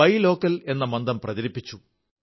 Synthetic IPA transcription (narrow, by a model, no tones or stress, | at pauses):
ɐjlo̞ːkːɐle̞nːɐmɐnd̪ɐmprɐðɐɾipːit͡ɕːu